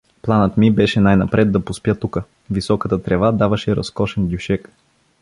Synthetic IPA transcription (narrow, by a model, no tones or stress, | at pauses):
plˠanət̪mibɛʃɛnajnɐpɾʔɛd̪d̪ːɐpʊspʲjət̪ukə | visɔkət̪ət̪ɾɛvad̪avɐʃɛɾɐ̰skɔʃɛnd̪ʲjuʃɛk